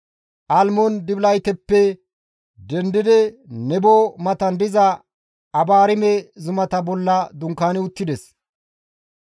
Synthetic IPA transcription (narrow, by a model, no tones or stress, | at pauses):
ʔɐlmɔnd̪ɪblɐjt̪ɛpːɛ | d̪ɛnd̪ɪd̪ɛnɛbomɐt̪ɐnd̪ɪzɐ | ɐbaːɾɪmɛzʊmɐt̪ɐbɔlːɐd̪ʊŋkːaːnɪʊt̪ːɪd̪ɛs